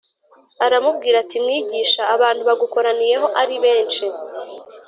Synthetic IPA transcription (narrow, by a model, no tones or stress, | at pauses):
aɾamubɡiːɾatimŋiːɟiːʃaːβaːnthuβaɡuko̞ɾanije̞ɦo̞ʔaɾiβe̞ːnt͡ʃi